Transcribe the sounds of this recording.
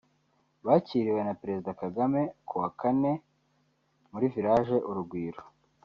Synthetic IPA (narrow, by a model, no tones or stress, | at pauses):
βaciɾiwe̞napeɾe̞zidakaɡame̞kʰuwakane̞ | muɾiviɾaːʒe̞ʔuɾuɡwiːɾo